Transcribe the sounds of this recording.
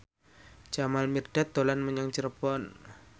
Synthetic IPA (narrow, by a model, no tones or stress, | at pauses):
d͡ʒ̥amalmirɖ̥a̤t̪o̤lanməɲaŋt͡ʃəɾpɔn